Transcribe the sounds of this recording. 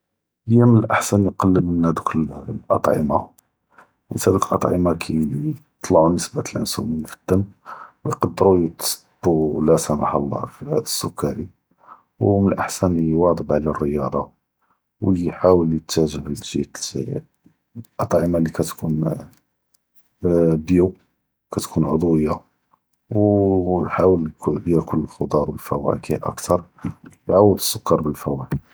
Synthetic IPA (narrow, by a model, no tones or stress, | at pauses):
əjːæmənəlʔaħsænjqɑlːəənːæd̪uklʔɑ̰t̪ˤʕə̰mɑ̰ | mət̪hæd̪uklʔɑt̪ˤʕəmɑkʰii | t̪ˤlɑʕunəsbæt̪əlʕənsṵminfə̥t̪ːəmwjqɑd̪ːəɾujət̪sb̥ːulæsæma̰ħɑ̰lˤːɑ̰fihæd̪əsːʊkːæɾi | wmnəlʔaħsæniwɑd̪ˤəbʕlærːəjɑd̪ˤɑ | wliħawəljət̪ːæʒəʕlʒit̪lzæ̰jæ̰ | ʔɑt̪ˤʕəmalikæt̪kʰun | bju | kæt̪kʰunʕod̪ˤwəjːa | wjħawəlkjækʊlːəlxod̪ˤɑɾˤwəlfæwæ̰kihʔə̰kt̪ɑɾˤjʕawəd̪əsːʊkːɑɾˤbəlfæwæki